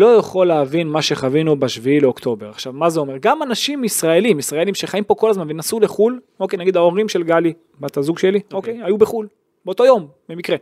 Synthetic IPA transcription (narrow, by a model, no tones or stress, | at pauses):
lo̞jaχo̞lːeavinmaʃe̞χavinubeʃviileokt̪o̞be̞ʁaχʃavmazeo̞me̞ʁɡamanaʃimisʁae̞limisʁae̞limʃeχaimpo̞ko̞lazmanvenasuleχul | o̞ke̞jnaɡid̪aoʁimʃe̞lɡali | bat̪azuɡʃeliokejajubeχul | beot̪o̞jo̞mbe̞mikʁe